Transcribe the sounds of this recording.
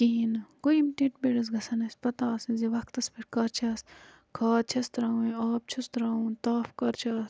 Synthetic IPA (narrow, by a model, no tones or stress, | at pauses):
kiinkoimʈiʈbeɽɐs̬ɡɐsɐnɐspɐt̪aːsizeʋɐk̚t̪ɐspʰiʈkɐɾt͡ʃʰaːs | kʰaːt͡ʃʰɐst̪ɾaːwẽaːp̚t͡ʃʰust̪ɾaːũnt̪aːfkɐɾt͡ʃʰaːs